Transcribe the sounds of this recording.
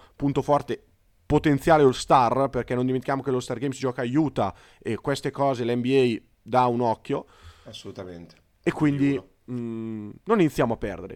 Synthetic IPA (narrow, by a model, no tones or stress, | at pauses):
punt̪ofɔrt̪e | pot̪ent̪jaːleulst̪arperkɛnond̪iment̪ikjaːmokelost̪arɡejmsid͡ʒɔːkaːjuːt̪a | ekːwest̪ekɔːzelɛmbiɛj | d̪aunɔkːjo | asːolut̪ament̪e̥ | ekːwind̪i | noninit̪sːjaːmoapːɛ̰rd̪ḛɾḛ